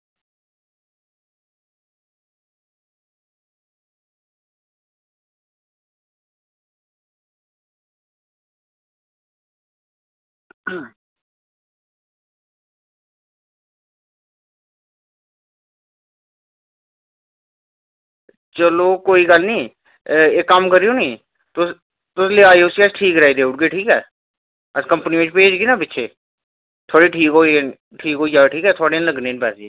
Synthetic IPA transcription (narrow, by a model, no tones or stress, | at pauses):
t͡ʃəloːkoːiːɡəlnĩː | eːkːəmkəɾiːoːnĩː | t̪ʊs | t̪ʊsleːaːeoʊsiəsʈʰiːkɾaːiːd̪eːʊʈ̚ɡeːʈʰiːkɛː | əskəmpniɪt͡ʃpeːd͡ʒɡinãːpɪtːʃʰeː | t̪ʰoːɽiːʈʰiːkɦoːn | ʈʰiːkɦoːiːd͡ʒaːʈʰiːkɛːt̪ʰʊaːɽeːnləɡnẽːnpɛːsiː